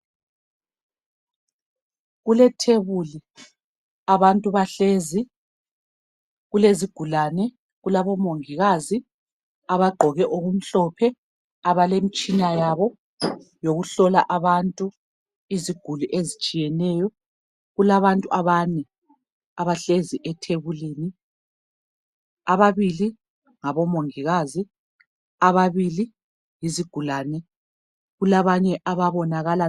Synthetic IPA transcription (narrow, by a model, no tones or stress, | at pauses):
ɣulɛtʰeβuli | aβantʼuβaɬezi | ɣuleziɡ̥ʱulanɛ | ɣulaβɔmoŋiɣazi | aβaɡ͡ǃʱɔɣɛʔoɣum̩ɬɔpʰɛ | aβalemit͡ʃʼinajaβɔ | joɣuɬɔlaʔaβantʼu | iziɡ̥ʱuluʔezit͡ʃʼijɛnɛjɔ | ɣulaβantʼuʔaβanɛ | aβaɬeziʔɛtʰeβuliːni | aβaβili | ŋaβɔmoŋiɣazi | aβaβili | jiziɡ̥ʱulaːnɛ | ɣulaβaɲɛʔaβaβɔnaɣala